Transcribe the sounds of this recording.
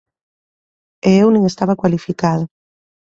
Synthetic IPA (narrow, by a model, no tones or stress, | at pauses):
eewnĩŋest̪aβakwalifikaðo